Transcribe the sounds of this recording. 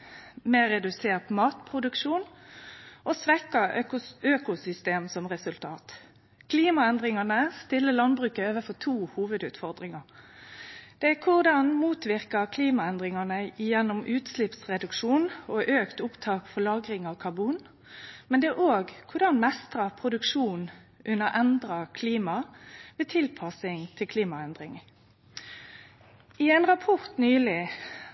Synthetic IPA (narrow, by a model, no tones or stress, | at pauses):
mɛɾɛd̪ʉseːʁt̪mɑːt̪pʰʁʊd̪ʉkʃuːn | ʔosʋɛkɑʊøːkʊsʏst̪eːmsɔmʁɛsʉlt̪ʰɑːt̪ | kʰliːmɑɛnd̪ʁɪŋɑnəst̪ɪlːəlɑnbʁʉːkəøːʋəfɔt̪ʰuːhuːʋəd̪ʉːt̪fɔʁd̪ʁɪŋɑ | d̪̥ɛækʰʊʁd̪ɑnmuːt̪ʋɪʁkɑkʰliːmɑɛnd̪ʁɪŋɑnəɪjɛnːʊmʔʉːt̪slɪpsʁɛd̪ʉkʂuːnɔʔøːkt̪ʊpt̪ʰɑːkfɔlɑːɡɾɪŋɑʋkʰɑʁbuːn | mɛnd̪ɛʔoːɡkʰʊʁd̪ɑnmɛst̪ʁɑpʰʁʊd̪ʉkʂuːnʔʉnːəʔɛnd̪ɾɑkʰliːmɑʋeːt̪ʰɪlpʰɑsɪŋt̪ʰɪlkʰliːmɑɛnd̪ʁɪŋ | ɪɛːnʁɑpʰɔʁt̪nyːlɪ